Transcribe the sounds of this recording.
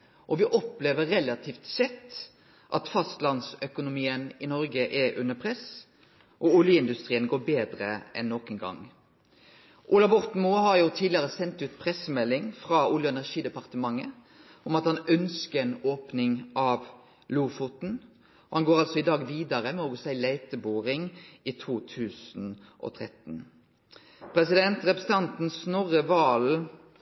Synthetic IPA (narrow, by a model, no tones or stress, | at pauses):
ʔɔʋɪʔɔpleːʋəɾɾɛlɑt̪ʰiːft̪sɛt̪ː | ʔɑt̪fɑst̪lɑnsœkʊnʊmiːənɪnɔɾɡəʔɛʉnːəpʰʁɛs | ʔɔʊljəɪnd̪ʉst̪ɾiːənɡoːbeːd̪ɾəɛ̰nːɔkɛnɡɑ̰ŋ | ʔʊːlɑʋɔɾt̪muːɦɑɾjʊt̪ʰiːlɪɑɾəsɛnt̪ʉːt̪pʰɾɛsːəmɛlːɪŋfɾɑʊljʊɛnæʁʂiːd̪ɛpɑʁt̪əmɑŋːə | ɔmɑt̪hɑnœnskəɛnoːpnɪŋʔɑʋ | luːfut̪n̩ | ɔhɑnɡoːɾɑlsɔɪd̪ɑːɡʋiːd̪ɑʁəmɛɔɡʊsæɪlæɪt̪əbuːʁɪŋiːt̪ʰuːt̪ʰʉːsn̩ | ʔɔ̰ːt̪ʰʁɛt̪n̩ | pʰʁɛsɪd̪ɛnt̪ʁɛpɾɛsəɑnt̪n̩snɔʁəʋɑːl